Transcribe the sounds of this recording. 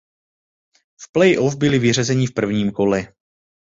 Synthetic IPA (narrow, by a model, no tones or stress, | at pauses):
fplɛjʔofbɪlɪvɪr̝ɛzɛɲɪfpr̩vɲiːmko̞lɛ